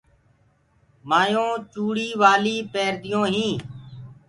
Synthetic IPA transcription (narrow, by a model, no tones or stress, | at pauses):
maːjõːt͡ʃuːɽiːʋaːliːpeːɾd̪ɪjõːɦĩː